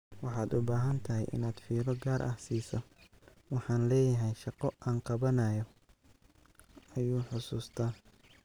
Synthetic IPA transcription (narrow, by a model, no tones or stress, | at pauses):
wɑħɑːd̪ʊbaːɦɐnt̪ʰɐɦɛjʔɪ̰naːd̪fiːlɔɡaːɾʔɐ̰hsiːsɐ | wɑħɑːnlɛːjɐɦɛjʃɑqɔʔaːŋqɑβɐnɐːjɔ | ɐjuːħʊsuːst̪ʰaː